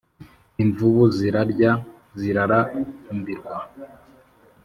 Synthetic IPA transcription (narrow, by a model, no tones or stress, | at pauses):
iɱvuβuziɾaɾɟa | ziɾaɾambiɾɡwa